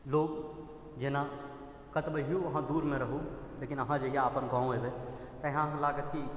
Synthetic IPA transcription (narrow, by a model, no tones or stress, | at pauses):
loːɡ | d͡ʒena | kət̪bəɦijuɐɦãd̪uːɾmẽɾəɦuleːkɪnəɦãd͡ʒəjaaːpənɡãːõɦebe | t̪əɦãɦãlaːɡət̪ki